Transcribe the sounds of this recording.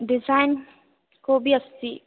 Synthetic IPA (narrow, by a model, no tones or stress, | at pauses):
ɖɪzaːɪn | koːbiɐst̪iː